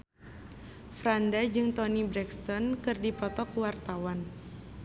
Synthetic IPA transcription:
fɾandad͡ʒɨŋt̪ɔnibɾɛkst̪ɔnkɨrdipɔt̪ɔkuwart̪awan

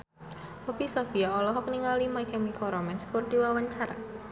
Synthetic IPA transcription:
ɔb̥isɔfiaɔlɔɦɔkniŋalimaikɛmikɔɾɔmɛnskʊrdiwawaɲt͡ʃaɾa̰

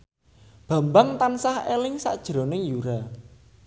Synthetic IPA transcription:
b̥a̤mbaŋt̪ansahelɪŋsa̰ʔd̥ʒ̥ɾonɪŋjuɾa

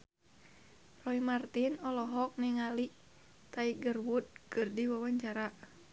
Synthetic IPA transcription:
rɔimart̪inɔlɔɦɔk̚niŋaliʔ | t̪aiɡərwut̪̚kɨrdiwawaɲt͡ʃaɾa

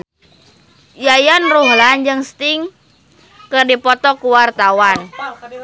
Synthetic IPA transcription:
jajanruɦland͡ʒɨŋst̪ɪŋ | kɨrdipɔt̪ɔkuwart̪awan

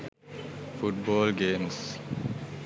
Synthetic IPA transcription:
fuʈ̚boːlɡeːmus

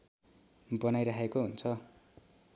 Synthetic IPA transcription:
bʌnajɾaɦekoɦunt͡sʰʌ

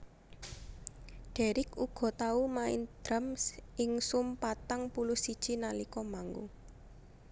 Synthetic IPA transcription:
ɖ̥ɛ̤ɾɪkuɡ̥ɔ̤t̪aumaɪ̰nd̪̥ɾamsɪŋsʊmpat̪aŋpulʊsid̥ʒ̥inalikɔmaŋɡṵ

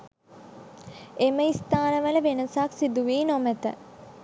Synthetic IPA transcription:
eməist̪aːnəʋələʋenəsaksid̪uʋeːnomæt̪ə̰

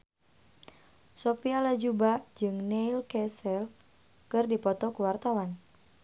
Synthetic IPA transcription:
sopialad͡ʒubad͡ʒɨŋnɛilkɛsɛl | kɨrdipɔt̪ɔkuwart̪awan

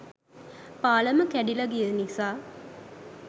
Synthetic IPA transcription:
paːləməkæɖilɐɡijənisaː

